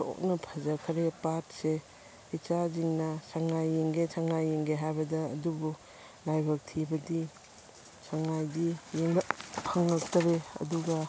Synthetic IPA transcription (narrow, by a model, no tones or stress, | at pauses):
to̰k̚nɐpʰɐzɐkʰɐɾepat̚se | it͡ʃaziŋnɐsaŋajːiŋɡesaŋajeŋɡeɦajbɐdɐːdubu | lajbɐk̚tʰibɐdi | saŋajdijeŋbɐpʰɐŋlɐk̚tɐɾeɐ̰duɡɐ